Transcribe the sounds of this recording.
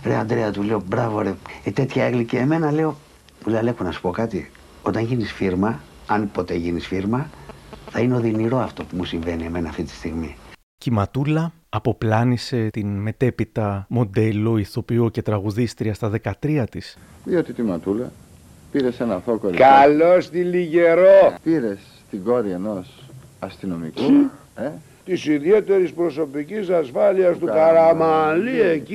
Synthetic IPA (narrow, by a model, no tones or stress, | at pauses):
ɾeoɐnd̪ɾe̞ɐt̪ule̞o̞bɾɐvoɾeet̪e̞t̪çɐeɣliceːme̞nɐle̞o̞ | muleolexonɐsu̥po̞kɐt̪i | o̞t̪ɐɲʝinisfiɾmɐ | ɐnpo̞t̪e̞ʝinisfiɾmɐθɐineo̞ðiniɾo̞ɐft̪o̞pumusiɱve̞nie̞me̞nɐːft̪it̪i̥st̪iɣmi | cimɐt̪ulɐː | po̞plɐnise̞t̪inme̞t̪e̞pit̪ɐmo̞d̪e̞lo̞iθo̞pio̞ce̞t̪ɾɐɣuðist̪ɾiɐst̪ɐðe̞kɐt̪ɾiɐt̪is | ðiot̪it̪imɐt̪ulɐ̰ | piɾe̞senɐθo̞kolkɐlo̞st̪iliʝe̞ɾopiɾe̞s | t̪iɡo̞ɾieno̞s | ɐst̪ino̞mḭku | e | t̪isiðie̞t̪e̞ɾispɾo̞so̞picisɐsfɐliɐst̪ukɐɾɐmɐlieci